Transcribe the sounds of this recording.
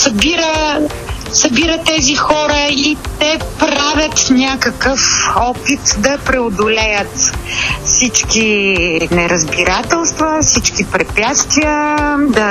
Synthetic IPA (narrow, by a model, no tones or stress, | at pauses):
sɐbiɾə | sɐbiɾət̪ɛzixɔɾəit̪ɛpɾavʲɐt̪nʲakəkəfɔpit̪d̪ɐpɾɛʊd̪ʊlɛjət̪fsit͡ʃkinɛɾɐzbiɾat̪ɛlˠst̪vəfsit͡ʃkipɾɛpʲjat̪st̪viəd̪ɐ